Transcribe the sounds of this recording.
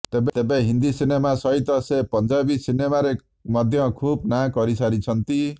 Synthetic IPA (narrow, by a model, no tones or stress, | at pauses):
t̪ebet̪ebẽɦind̪isinemasʌɦit̪ʌsepʌnd͡ʒabisinemaɾe | mʌd̪ʱjʌkʰubnakʌɾisaɾit͡sʰʌnt̪i